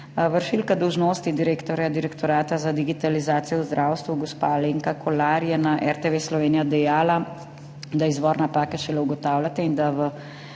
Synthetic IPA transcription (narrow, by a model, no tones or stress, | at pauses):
ʋəɾʃilkad̪ɔwʒnoːst̪id̪iɾeːkt̪ɔɾjad̪iɾɛkt̪ɔɾaːt̪azad̪iɡit̪alizaːt̪sijɔwzd̪ɾʔaːwst̪ʋuɡɔspaːleːŋkakʰɔlaɾjɛnaʔɛɾt̪eʋeslɔʋeːnijad̪ɛjaːla | d̪aizʋɔːɾnapaːkɛʃɛlɛuɡɔt̪aːwlʲat̪ɛind̪aʋə